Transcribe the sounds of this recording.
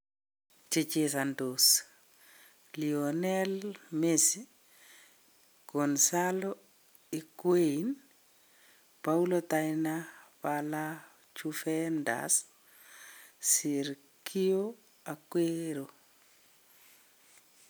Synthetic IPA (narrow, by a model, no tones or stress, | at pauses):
t͡ʃet͡ʃesandos | lionɛlmesi | konsalo | ikwein | paulotajnapala | t͡ʃufɛnda̰s | iɾ | kʰio | akweɾo